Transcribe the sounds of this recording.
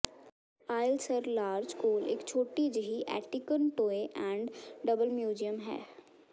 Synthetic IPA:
aːɪlsəɾlaːɾd͡ʒkoːlḛːkt͡ʃʰoːʈid͡ʒəɦiʔɛ̰ːʈikənʈoːeʔɛ̃ːɳɖɖɐbəlmjuːd͡ʒijəmɦɛ̰ː

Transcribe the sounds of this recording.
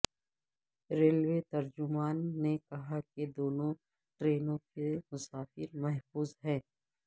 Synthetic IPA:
ɾeːlwet̪ɐɾd͡ʒʊmaːnːekɐɦaked̪oːnõ | ʈɾeːnõkemʊsaːfɪɾmɛɦfuːzɦɛ̃ː

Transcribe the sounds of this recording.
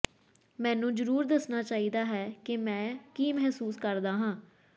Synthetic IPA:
mɛ̃ːnũːd͡ʒəɾuːɾd̪əsnaːt͡ʃaːiːd̪aːɦɛːkɪmɛ̃ːkiːmɛɦsuːskəɾd̪aːɦãː

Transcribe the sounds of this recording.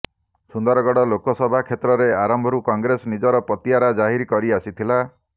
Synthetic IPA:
sund̪ɔɾɔɡɔɽɔlokɔsɔbʱakʰet̪ɾɔɾeaɾɔmbʱɔɾukɔŋɡɾesɔnid͡ʒɔɾɔpɔt̪ijaɾad͡ʒaɦiɾkɔɾiasit̪ʰila

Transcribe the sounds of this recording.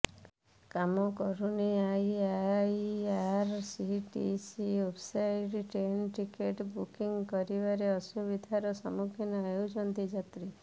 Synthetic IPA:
kamɔkɔɾuniajajaɾsiʈḭsiwebsajɖʈɾenʈikeʈbukiŋkɔɾibaɾeɔsubid̪ʱaɾɔsɔmukʰinɔewd͡ʒɔnd̪id͡ʒat̪ɾi

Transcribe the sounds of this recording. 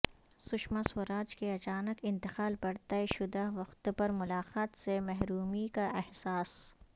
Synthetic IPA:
sʊʃmaswʊɾaːd͡ʒkeɐt͡ʃaːnəkɪ̃nt̪ɪxaːlbɐɽt̪aeʃʊd̪aɦʋɐxt̪pɐɾmʊlaːqaːt̪semɛɦɾuːmikaʔɛhsaːs

